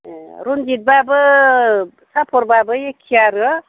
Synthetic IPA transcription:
ɾund͡ʒit̪̚babɯ | sapʰoɾbabɯjekʰiaɾʌ

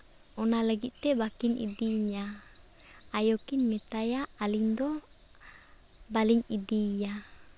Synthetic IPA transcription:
ɔnalaɡiʔt̪ɛbakinḭdiɲa | ajokinmɛt̪ajaːliŋd̪ɔ | baliŋidija

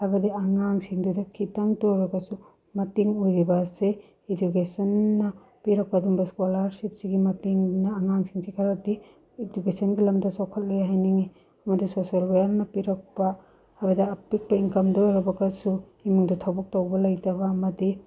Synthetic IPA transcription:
hajbɐdiaŋaŋsiŋdudɐkʰitaŋtojɾɐɡɐsu | mɐtiŋojɾibɐse | ed͡ʒukesɐnːɐ | piɾɐk̚paduŋbɐskolaɾsip̚siɡimɐtiŋnɐːŋaŋsiŋsikʰaɾɐdi | ed͡ʒukesɐnɡilɐmdɐsɔkʰɐt̚lejaɦajniŋi | ɐmɐdisosalbejaɾnɐpiɾɐk̚pa | hajbɐdiapik̚pɐiŋkɐmdojɾɐbɐɡɐsu | imuŋdɐtʰabɔk̚towbɐlɐjtɐbaːmɐdi

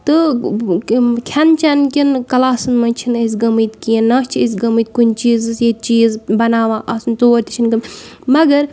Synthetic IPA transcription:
t̪ɨ | kʲʰɐnt͡ʃɐnkʲinkɐlaːsɨnmɐt͡ʃʰinɐs̬ʲɡɐmɨt̪kijɐnːɐːst͡ʃʰiɐs̬ʲɡɐmɨt̪̚kunʲt͡ʃiːzsjet͡ʃiːzbɐnaːʋaːʔɐsnt̪oːɾt̪ʰʲi̥t͡ʃʰinɡɐmmɐɡɐɾ

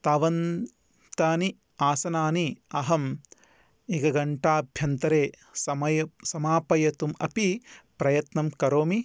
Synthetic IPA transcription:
t̪aːʋɐn | t̪aːni | aːsɐnaːniɐɦɐm | ekɐɡɐɳʈaːbʱjɐnt̪ɐɾeː | sɐmɐjɐsɐmaːpɐjɐt̪umɐ̰pipɾɐjɐt̪nɐmkɐɾoːmi

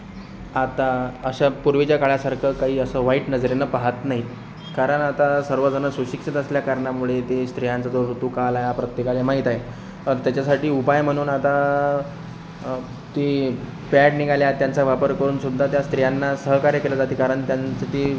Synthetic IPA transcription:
at̪aəɕapuɾʋit͡ɕjakaɭasaɾkʰəkaɦiːəsəːʋaiːʈnəd͡zɾenəpaɦat̪naɦi | kaɾəɳat̪asəɾʋəd͡zənəsuɕikʂit̪əsljakaɾɳamuɭet̪est̪ɾijãnt͡sad͡zoɾut̪uːkalajapɾət̪jekalemaɦit̪aɦe | əɾt̪jat͡ɕasaʈiːupajm̤əɽ̃uːnat̪a | t̪i | pæʈniɡaljat̪jant͡saʋapəɾkəɾuːnsud̪ʱat̪jast̪ɾijanːasəɦkaɾjəkeləd͡zat̪iːkaɾəɳt̪jant͡sət̪i

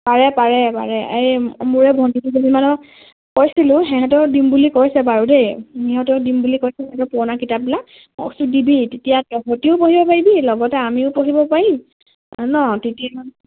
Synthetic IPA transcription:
paɹɛpaɹɛpa̰ɹɛemuɹɛbʱɔntitizibimanɔ | kojsilʊ̃ɦɛɦɛtɔɹdimbulikoɹjsɛbaɹudejhɛɦɔtɔdimbulikoɹsɛɦɛɦɛtɔɹpɔɹnakitap̚bilak̚ | sʊdibitetijatɔɦɔtiʊpoɦibɔpaɹibilɔɡɔtɛamiʊpoɦibɔpaɹi | nɔtetiaan

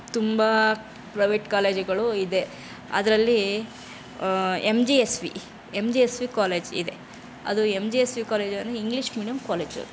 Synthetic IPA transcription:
t̪umbɐ | pɾɐjʋeːʈkaːleːd͡ʒɡɐɭuid̪e̞ | ɐ̰d̪ɐɾɐlːi | emd͡ʒiesʋḭ | emd͡ʒiesʋikaːle̞ːd͡ʒḭd̪e̞ | ɐ̰d̪uemd͡ʒiːesʋikaːleːd͡ʒɐnːuiŋɡliʃmiːɖijɐmkaːleːd͡ʒɐ̰d̪

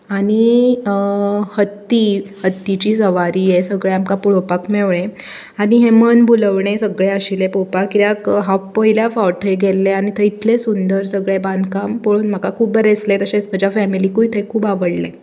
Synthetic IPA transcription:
aɽ̃i | hət̪ːihət̪ːit͡ɕiːsəʋaɾiːjesəɡɭeamkapuɭopakmeʋɳẽ | aɽ̃iɦemənbʱuləʋɳ̃esəɡɭeəɕilepopakiɾjakɦapəɦiljafawʈʰəjɡelːeaɽ̃it̪ʰəit̪ʰlesund̪əɾsəɡɭebãnd̪ʱkampoɭuːnm̤akakʰuːbəɾeslet̪əɕesməd͡ʑafæmilikuit̪ʰekʰuːbaʋəɽle

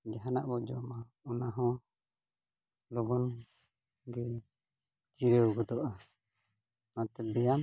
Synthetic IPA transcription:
d͡ʒaɦanaʔbɔʔd͡ʒɔma | ɔnaɦɔ̃ | lɔbɔn | ɡɛ | d͡ʒiɾɛɡɔd̪ɔʔa | mãt̪ɛbɛjam

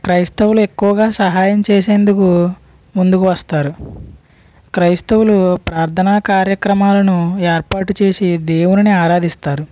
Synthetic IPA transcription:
kɾɐjst̪ɐwulue̞kːuʋɐɡaːsɐɦaːjɐmt͡ʃeːs̬e̞ːnd̪uku | mund̪ukuʋɐst̪aːɾu | kɾɐjst̪ɐwulupɾaːɾt̪ʰɐnaːkaːɾjɐkɾɐmaːlɐnueːɾpaːʈut͡ʃe̞ːsid̪eːwuniniaːɾaːd̪ist̪aːɾu

